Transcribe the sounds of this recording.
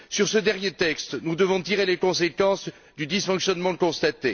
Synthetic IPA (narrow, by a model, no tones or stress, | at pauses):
syʁsəd̪ɛʁnjet̪ɛkst̪nud̪əvɔ̃t̪iʁelekɔ̃sekɑ̃s | d̪yd̪isfɔ̃ksjɔnmɑ̃kɔ̃st̪at̪e